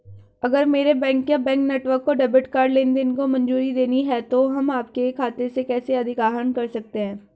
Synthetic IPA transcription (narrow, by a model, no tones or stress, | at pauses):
ɐɡəɾmeːɾebɛ̃ːŋkːjabɛ̃ːŋknɛːʈʋəɾkːoɖɛːbɪʈkaːɾɖleːnd̪ɪnkomɐ̃nd͡ʒuːɾid̪eːniɦɛt̪oɦɐmaːp̚kekʰaːt̪esekɛːseɐd̪ʱɪkaːɦənkɐɾsɐk̚t̪eɦɛ̃ː